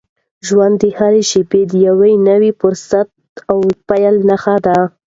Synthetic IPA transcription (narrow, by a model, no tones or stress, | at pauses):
ʒwand̪ːəhaɾeʃiped̪əjawajnəwifʊɾsat̪̚ | awpajalnaxad̪a